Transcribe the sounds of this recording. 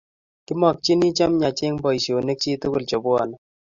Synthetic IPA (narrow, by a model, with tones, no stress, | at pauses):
kɪ˦mɔ˨k̚t͡ʃi˦ni˦t͡ʃa˦mɲa˨t͡ʃɪ˦ŋbɔ˨jʃo˨ne˦k̚t͡ʃi˦tʊ˦kʊ˦˨lt͡ʃɔ˨bʊ˦a̰˨na˦